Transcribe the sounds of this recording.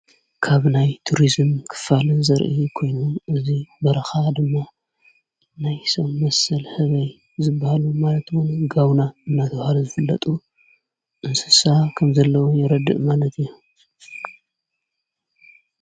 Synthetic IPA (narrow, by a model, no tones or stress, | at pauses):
kʰaβnajt̪ʰuɾizɨmkʰɨ̥fːalɨzɐɾʔḭkʰo̞jnuʔɨzibɐɾɐxad̪ɨmːa | najsomːɐsɐlhɨβɐj | zɨbːahalumalɐt̪wunɡawnaɨnːat̪ʰɐβahaluzɨfɨlːɐ̰t̪ʼu | ʔɨnsɨsakʰɐmzɐlːɐwojɪɾɐd̪ɨ̰ʔmalɐt̪ʰiju